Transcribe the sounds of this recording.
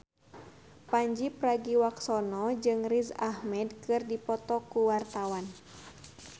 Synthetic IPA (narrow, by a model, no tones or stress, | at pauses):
paɲd͡ʒipraɡiwaksɔnɔd͡ʒɨŋrizahmɛdkɨrdipɔt̪ɔkuwart̪awan